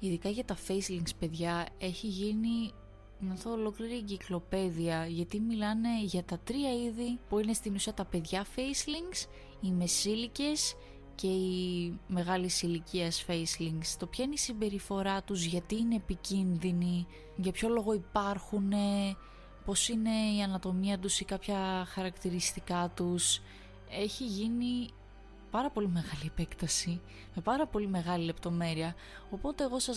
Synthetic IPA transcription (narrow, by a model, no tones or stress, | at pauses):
iðikɐʝɐt̪ɐfe̞jsliŋspe̞ðʝɐe̞çiʝini | nɐθoolo̞kliɾieɲɟiklo̞pe̞ðiɐʝɐt̪imilɐne̞ʝɐt̪ɐt̪ɾiɐiðipuine̞st̪inusiɐt̪ɐpe̞ðʝɐfe̞sliŋɡs | ime̞silice̞s | ce̞ime̞ɣɐlisiliciɐsfe̞jsliŋɡst̪o̞pçɐine̞isimbe̞ɾifo̞ɾɐt̪uzʝɐt̪iːne̞ːpicinðini | ʝɐpço̞lo̞ɣo̞ipɐɾxune̞ | po̞sine̞iɐnɐt̪o̞miɐt̪usikɐpçɐxɐɾɐkt̪iɾist̪ikɐt̪us | e̞çiʝini | pɐɾɐpo̞lime̞ɣɐliepe̞kt̪ɐsi | me̞pɐɾɐpo̞lime̞ɣɐlile̞pt̪o̞me̞ɾiɐ | o̞po̞t̪e̞ːɣo̞sɐ